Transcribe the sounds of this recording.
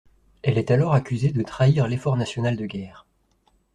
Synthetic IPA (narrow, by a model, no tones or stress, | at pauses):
ɛlɛt̪alɔʁakʲyzed̪ət̪χaiʁlefɔʁnasjɔnald̪əɡʲɛːʁ